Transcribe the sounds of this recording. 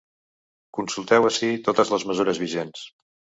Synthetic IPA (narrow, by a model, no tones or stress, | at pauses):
kunsulˠt̪ɛwəsit̪ot̪əzləzməzuɾəzβiʒens